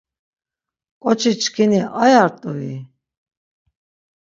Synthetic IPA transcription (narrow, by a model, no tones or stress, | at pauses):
kʼɔt͡ʃʰit͡ʃʰʼkʰiniʔajaɾt̪ʼui